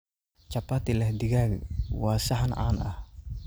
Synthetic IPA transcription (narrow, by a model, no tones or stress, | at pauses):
t͡ʃapat̪ilɛhd̪iɡaɡwasaɦana̰na̰h